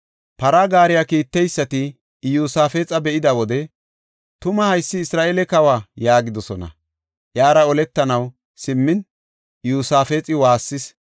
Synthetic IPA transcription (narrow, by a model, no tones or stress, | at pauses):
pɐɾɐɡaːɾɪjakiːt̪ːɛjsːɐt̪ɪ | juːsaːfeːt͡sʼɐbɛʔɪd̪ɐwɔd̪ɛ | t̪ʊmɐhɐjsːɪːsɾaːʔeːlɛkɐwaːjaːɡɪd̪ɔsɔnɐ̰ | ʔjaːɾɐɔlɛt̪ːɐnɐw | sɪmːɪn | juːsaːfeːt͡sʼɪwaːsːɪs